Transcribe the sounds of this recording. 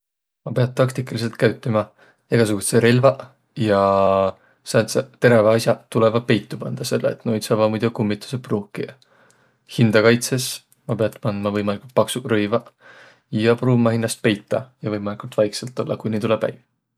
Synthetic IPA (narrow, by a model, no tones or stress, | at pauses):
mɑpe̞ɑt̪̚t̪ːɑkt̪ikːɑlis̬e̞lt̪̚kæɥt̪ːˑimɑ | eɡ̥ɑsuɡut̪seɾelvɑ | jɑ | sɑnt̪set̪e̞ɾevɑɑsʲjɑt̪ule̞vɑpe̞jt̪ˑːupɑnd̪̥ɑse̞lːḛḛt̪nojd̪̥sɑvɑmujd̪̥ukumːit̪ːˑu̥sepruːkːˑḭ | hind̪̥ɑkɑjt̪se̞s | mɑpe̞ɑt̪ːpɑnd̪mɑvɤjmɑlikult̪̚pɑksurøjvɑ | jɑpruːmɑhinːɑst̪̚pe̞jt̪ːˑɑjɑvɤjmɑlʲikult̪vɑjkselt̪ˑːo̞lːɑkujnit̪ule̞b̥hæ̰j